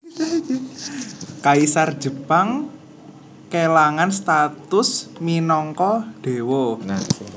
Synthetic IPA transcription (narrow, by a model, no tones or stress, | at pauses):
kaisar̥d͡ʒ̥əpaŋ | kelaŋanst̪at̪ʊsminɔŋkɔɖ̥e̤wɔ